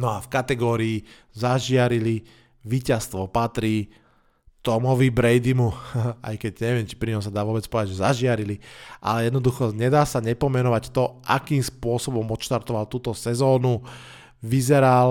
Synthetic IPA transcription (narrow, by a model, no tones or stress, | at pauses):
nɔafkat̪ɛɡɔːɾiː | zaʒɪaɾili | ʋiːcast̪ʋɔpat̪ɾiː | t̪ɔmɔʋibɾɛjd̪imua̰jkɛɟɲɛʋɪɛmt͡ʃi̥pɾiɲɔmsad̪aːʋʊɔbɛt͡spɔd̪aʒɛzaʒɪaɾiliʔa̰lɛjɛd̪nɔd̪uxɔɲɛd̪aːsaɲɛpɔmɛnɔʋact̪ɔʔa̰kiːmspʊɔsɔbɔmɔt̪ʃt̪aɾt̪ɔʋalt̪uːt̪ɔsɛzɔːnu | ʋizɛɾal